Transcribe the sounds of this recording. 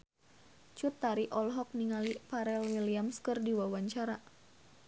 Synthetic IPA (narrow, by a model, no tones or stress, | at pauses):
t͡ʃut̪ːaɾiʔɔlɦɔk̚niŋalipaɾɛlwiliamskɨrdiwawaɲt͡ʃaɾa